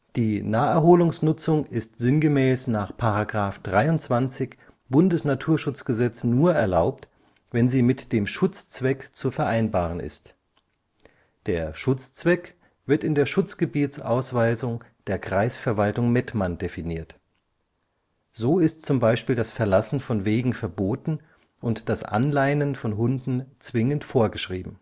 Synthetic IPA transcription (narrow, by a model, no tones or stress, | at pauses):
d̥iːnaːɛɐɦoːlʊŋsnʊt͡sʊŋɪstz̥ɪnɡəmɛːsnaːχpʰaʁaɡʁaːfd̥ʁaɪʊntt͡sv̥ant͡sɪç | b̥ʊndəsnatʰuːɐʃʊt͡sɡ̥əzɛt͡snuːɐɛɐlaʊp̚t | vɛnziːmɪtd̥eːmʃʊt͡st͡sv̥ɛkt͡sufɛɐʔaɪnbaːʁ̞ənɪ̰st | d̥eːɐʃʊt͡st͡sv̥ɛk | v̥ɪɐtɪndeːɐʃʊt͡sɡ̥əbiːtt͡sʔa̰ʊsv̥aɪzʊŋ | d̥eːɐɡʁaɪsfɛɐvaltʊŋmɛtmandefiniːɐt | z̥oːɪstt͡sʊmbaɪʃpiːldasfɛɐlasn̩fɔnveːɡŋ̩fɛɐboːtn̩ | ʔʊntd̥asʔa̰nlaɪnənfɔnɦʊndn̩t͡sv̥ɪŋəntfoːɐɡəʃʁ̥iːbm̩